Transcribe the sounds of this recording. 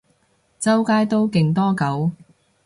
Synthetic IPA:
t͡sɐ˥wkaː˥jt̪o˥wkɪ˨˧ŋt̪ɔː˥kɐ˨˥w

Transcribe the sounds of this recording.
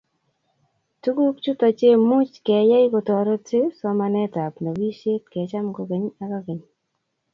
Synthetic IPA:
tu˦ku˦kt͡ʃu˦tɔ˨t͡ʃe˦mu˦t͡ʃkɛ˨jɛ˦jko˨tɔ˨ɾɔ˦tɪ˦sɔ˦ma˨nɛ˦ta˨pna˨wi˦ʃe˦tkɛ˨t͡ʃa˦mko˨ke˨˦ɲa˦ka˦ke˨ɲ

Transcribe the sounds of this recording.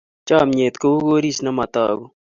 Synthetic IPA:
t͡ʃaː˦˨mɲe˨t̪ko˦u˦ɣo˦ɾi˦˨sna˦ma˨t̪a̰ː˨ɣo˦

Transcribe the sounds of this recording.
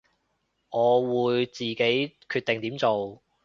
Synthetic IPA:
ŋɔː˨˧wuː˨˧jt͡siː˨ke˨˥jkʰyː˧t̪e˨ŋt̪i˨˥mt͡so˨w

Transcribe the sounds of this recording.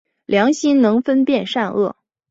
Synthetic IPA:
ljɑ˧˥ŋɕi˥nnɤ˧˥ŋfə˥npjɛ˥˧nʂa˥˧nɤ̰˥˩

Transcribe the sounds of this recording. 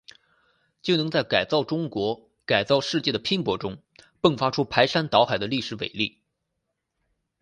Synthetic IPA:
t͡ɕjo˥˩ʊnɤ˧˥ŋt͡sa˥˩ɪka˨˩ɪt͡sɑ˥˩ʊʈ͡ʂʊ˥ŋkwɔ˧˥ | ka˨˩ɪt͡sɑ˥˧ʊʂɻ̩˥˧t͡ɕjɛ˥˩d̪ə˩pʰi˥ŋpwɔ˧˥ʈ͡ʂʊ˥ŋ | pɤ˥˩ŋfa˥ʈ͡ʂʰu˥pʰa˧˥ɪʂa˥nt̪ɑ˧˥ʊxa˨˩ɪd̪ə˦li˥˩ʂɻ̩˧˥ʋḛ˨˩ɪli˥˩

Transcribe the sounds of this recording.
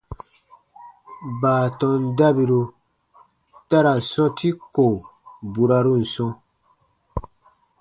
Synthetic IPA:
baː˨tɔ̃˨nda˦bi˧ɾu˧ | ta˦ɾa˨sɔ̃˦tʰi˦ko˨bu˨ɾa˧ɾu˦n̩˨sɔ̃˧

